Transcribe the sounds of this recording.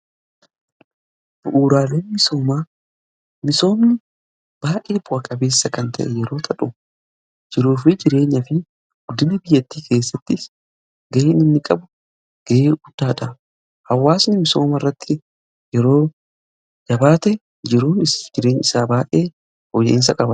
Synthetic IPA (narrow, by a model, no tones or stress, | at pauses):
b̥ʊʔuːɾaːle̞ːnmɪso̞ːmaː | mɪso̞ːmnɪ | b̥aːʔeːbʊɐkʼɐbe̞ːsːɐkɐnt̪ɐ̰ʔɛjɛɾo̞ːt̪ʰɐᶑʊ | d͡ʒɪɾuːfɪd͡ʒɪɾe̞ːɲːɐfɪ | ɡ̥ʊd̪ːɪnɐbɪjːɐt̪ːiːkʰe̞ːsːɐt̪ːɪs | ɡɐʔːnɪnːɪkʼɐbʊ | ɡ̥ɐeːɡʊd̪̥ːaːᶑɐ | hɐwːaːsnɪmɪso̞ːmɐrːɐt̪ːɪ | jɛɾoː | d͡ʒɐbaːt̪ɛ | d͡ʒɪɾuːnɪd͡ʒɪɾe̞ːɲɪsaːbaːʔeː | hɔjḛʔɪns̬ɐkʼɐbɐ